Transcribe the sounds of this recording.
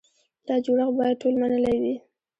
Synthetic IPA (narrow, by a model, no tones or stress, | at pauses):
d̪̥ɑd͡ʒoɽaxbɑjad̪̚ʈʰolmanəlawi